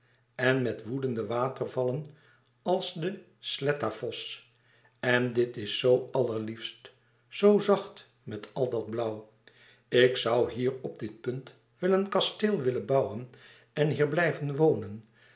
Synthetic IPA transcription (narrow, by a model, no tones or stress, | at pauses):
ɛnmɛtʋudəndəʋaːtəɹvɑlən | ɑlˠsdə | slɛtafɔs | ɛndɪtɪsːowɑləɹlifst | sowzɑχt | mɛtɑlˠdɑd̚blʌw | ɪksʌwɦiːrɔb̚dɪt̚pɵnt | ʋɪlənkɑstɪlˠʋɪlənbɑwən | ɛnɦiːɹblɛjvənʋownən